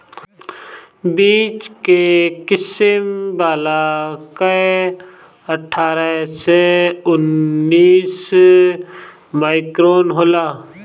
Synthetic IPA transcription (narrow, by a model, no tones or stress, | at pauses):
biːt͡ʃkekɪsɪmbaːlaːkə | əʈʰːaːɾəseʊnːiːs | maːɪkɾoːnɦoːlaː